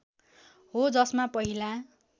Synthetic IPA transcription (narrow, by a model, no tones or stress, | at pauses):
ɦod͡zʌsmapʌɦila